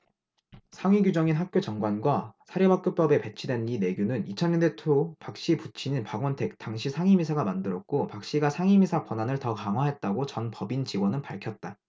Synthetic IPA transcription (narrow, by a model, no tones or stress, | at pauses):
sʰaŋɥiɡud͡ʑʌŋinɦak̚k͈jod͡ʑʌŋɡwanɡwasʰaɾjebak͈̚ɯp͈ʌbe̞pe̞t͡ɕʰidwenine̞ɡjunɯnit͡ɕʰʌnɲʌnde̞tʰopak̚ɕ͈iput͡ɕʰiɲinpaɡwʌntʰe̞k̚t͈aŋɕʰisʰaŋimisʰaɡamandɯɾʌk̚k͈opak̚ɕ͈iɡasʰaŋimisʰakwʌnanɯɭtʌkaŋɦwaɦe̞t̚t͈aɡot͡ɕʌnpʌbint͡ɕiɡwʌnɯnpaɭkʰjʌt̚t͈a